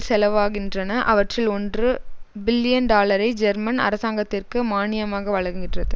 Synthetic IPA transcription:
sɛlɐʋaːɣɪndrɐnɐʔɐʋɐʈrɪlɔndrɯbɪlːɪjɐnɖaːlɐɾɐɪd͡ʒɛɾmɐnɐ̰ɾɐsaːŋɡɐt̪ːɪrkɯmaːnɪjɐmaːɣɐʋɐɭɐŋɡɡɪʈrɐðɯ

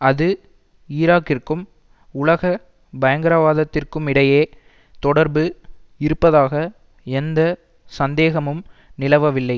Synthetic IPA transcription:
ɐðɯ | iːɾaːkːɪrkɯm | ʊlɐɣɐ | bɐjɐŋɡɪɾɐʋaːðɐt̪ːɪrkɯmɪɽɐjeː | t̪ɔɽɐɾbɯɪɾɯpːɐðaːɣɐ | ɛnd̪ɐ | sɐnd̪eːɣɐmɯmnɪlɐʋɐʋɪlːɐɪ

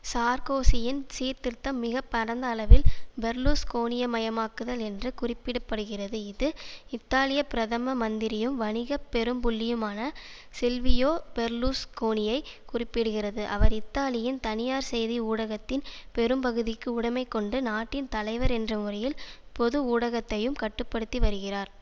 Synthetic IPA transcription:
saːɾkoːsɪjɪnsiːɾt̪ɪɾt̪ːɐmːɪɣɐpːɐɽɐnd̪ɐːlɐʋɪlbɛɾluːskoːnɪjɐmɐjɐmaːkɯðɐlɛndrɯkʊrɪpːɪɽɯpːɐɽɯɣɪrɐðɯɪðɯɪt̪ːaːlɪjɐpɪɾɐðɐmɐmɐnd̪ɪɾɪjɯmʋɐnɪɣɐpːɛɾɯmpʊlːɪjɯmaːnɐ | sɪlʋɪjoːbɛɾluːskoːnɪjɐɪkʊrɪpːɪɽɯɣɪrɐðɯʔɐ̰ʋɐɾɪt̪ːaːlɪjɪnt̪ɐnɪjaːɾsɛjðiuːɽɐɣɐt̪ːɪnpɛɾɯmpɐɣɯðɪkːɯʊɽɐmɐɪkːɔɳɖɯnaːʈːɪnt̪ɐlɐɪʋɐɾɛndrɐmʊrɐjɪlpɔðɯuːɽɐɣɐt̪ːɐjɯmkɐʈːɯpːɐɽɯt̪ːiʋɐɾɯɣɪraːɾ

